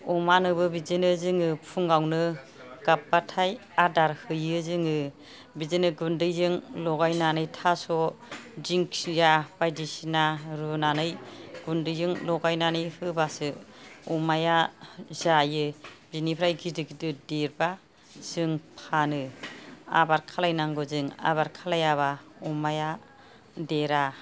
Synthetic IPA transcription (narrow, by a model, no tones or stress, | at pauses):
umanɯbɯbizenɯzɯŋɯpʰuŋawnɯ | ɡ̥ap̚ːatʰajadaɾhɯjɯzɯŋɯ | bizenɯɡundɯjzɯŋlɔɡajnanɯjtʰasɔd͡ʒiŋksjab̥ajdisinaɾɯnanɯjɡ̥undɯjzɯŋlɔɡajnanɯjhɯbasɯɔmajazajɯbinipʰɾajɡʰidɯkdɯdeɾba | z̥ɯŋpʰanɯ | a̰baɾkʰalajnaŋɡɯzɯŋa̰baɾkʰalajaβaɔmaja | deɾa